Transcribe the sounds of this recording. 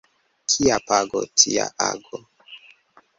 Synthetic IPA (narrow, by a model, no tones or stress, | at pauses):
kʰiapaɡo̰tʰia̰ʔaɡo